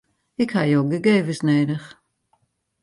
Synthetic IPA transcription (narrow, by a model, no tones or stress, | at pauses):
ɪkhajoːɡəɡeːvəsneːdəχ